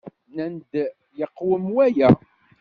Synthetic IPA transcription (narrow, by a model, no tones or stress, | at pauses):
nænd̪ | jəqːwəmwæjæ